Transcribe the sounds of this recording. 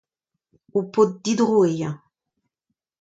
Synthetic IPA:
upot̪̚d̪id̪ʁuejã

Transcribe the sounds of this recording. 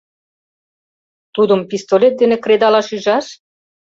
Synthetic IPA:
t̪ud̪əmpist̪olʲet̪̚d̪enekɾed̪ɑlɑʃyʒɑʃ

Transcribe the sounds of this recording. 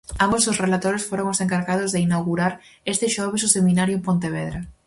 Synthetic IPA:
ambososrelat̪oɾesfoɾoŋoseŋkaɾɣað̞ozðeinawɣuɾaɾest̪ɪʃɔβ̞esʊsemĩnaɾjʊpõnt̪eβ̞eðɾa

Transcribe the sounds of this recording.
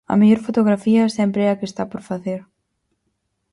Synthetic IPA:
a̰mejɔɾfot̪oɣɾafiasjɛmpɾakɪst̪apɔɾfaθeɾ

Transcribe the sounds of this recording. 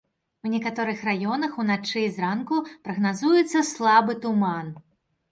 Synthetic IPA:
wnʲɛkat̪ɔɾɨxrajɔnɐxunat͡ʂɨzrankupɾɐɣnazujɛt̪sːɐslˠabɨt̪uman

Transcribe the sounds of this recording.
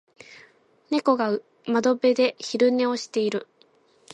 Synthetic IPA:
ne̞ko̞ɡaɯ | mad̪o̞be̞d̪e̞çiɾɯ̟ne̞o̞ɕi̥t̪e̞iɾɯ̟

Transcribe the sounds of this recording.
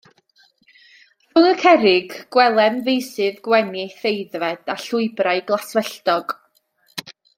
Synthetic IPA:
r̥ʊnəkʰɛɾɪɡɡwɛlˠɛmvejsɨðɡwɛniθejðvɛd̥aɬʊɨbrajɡlˠaswɛɬtɔɡ̥

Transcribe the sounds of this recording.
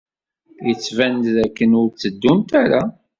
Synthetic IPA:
jət͡sːvænt̪ðækːənʊɾt͡sːəd̪ːumt̪æɾa

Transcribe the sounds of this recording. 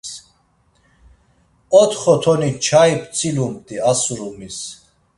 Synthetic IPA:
ɔt̪ʰχɔt̪ʰɔnit͡ʃʰaip̪ʰt͡sʰʼilumt̪ʼiasuɾumis

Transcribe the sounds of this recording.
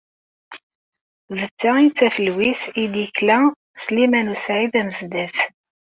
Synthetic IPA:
ðət͡sːæit͡sːæfəlwisid̪jəklæ | slimænusʕiðæməzd̪æθ

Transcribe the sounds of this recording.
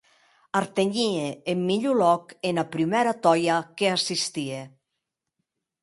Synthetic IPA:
aɾt̪eɲieːmːiʎulɔkenapɾimɛɾat̪ɔjakeasist̪ie

